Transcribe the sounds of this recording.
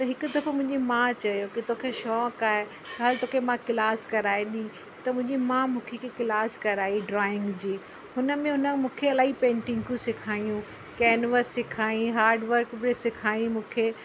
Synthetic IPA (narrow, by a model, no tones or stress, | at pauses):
t̪ɐɦɪkʊd̪ɐfmʊ̃ɦɪ̃ɲd͡ʑimãt͡ɕɐjokit̪oːkʰeʃɔːkaːe | ɡaːlt̪oːkʰemãkɪlaːskɐɾaːeɗĩĩ | t̪ɐmʊ̃ɦɪ̃ɲd͡ʑimãmũːkʰekekɪlaːskɐɾaːiɖɾɔːɪ̃ŋɡd͡ʑiː | ɦʊnə̆mẽɦʊnəmũːkʰeɐlaːipẽːɳʈɪ̃ŋɡkʰũsɪkʰaːijũ | kɛːnʋəsːɪkʰaːĩɦaːɾɖʋəɾkbɾesɪkʰaːjĩmũːkʰeː